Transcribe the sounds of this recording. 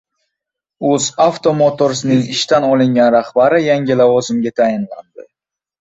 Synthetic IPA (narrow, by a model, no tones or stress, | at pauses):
ɵzaft̪ʰo̞mot̪ʰoɾsɪnɪŋɪʃt̪anɒlˠɪŋɡʲanɾaχbaɾɪjaŋʲɪlavɒzɪmɡʲat̪ʰajɪnla̰nd̪ɪ